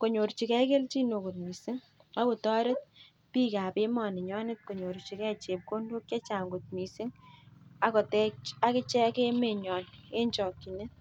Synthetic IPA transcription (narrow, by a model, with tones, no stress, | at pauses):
ko˨ɲo˨ɾt͡ʃi˨kɛ˦ke˦lt͡ʃi˦no˨ko˨t̚mi˨si˦ŋ | a˦ko˨tɔ˦ɾe˦t̚ | pi˦kaː˨pe˦mɔ˨ne˨ɲɔ˦ne˦t̚ko˨ɲo˨ɾt͡ʃi˨kɛ˦t͡ʃe˨p̚ko˦ndo˦kt͡ʃe˦t͡ʃa˨ŋɡo˨t̚mi˨sɪ˦ŋa˨kɔ˨tɛ˦a˦kɪ˦t͡ʃɛ˦ke˦me˨ɲɔ˨ne˦ɲt͡ʃɔ˨kːi˨ne˦